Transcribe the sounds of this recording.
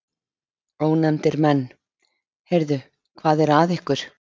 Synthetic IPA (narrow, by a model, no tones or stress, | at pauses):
oːwnɛmt̪ɪɾmɛnː | hejɾðʏ | kʰvaːðɛɾaðɪhkʏɾ̥